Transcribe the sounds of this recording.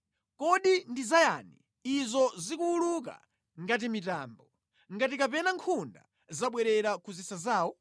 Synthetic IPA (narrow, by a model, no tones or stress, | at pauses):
kɔɗindizajani | izɔzikuuluk̬a̰ | ŋɡat̬imitaːmbɔ | ŋɡatikapɛnaŋkʰunda̰ | zaɓwɛɾɛɾakuzisazaːwɔ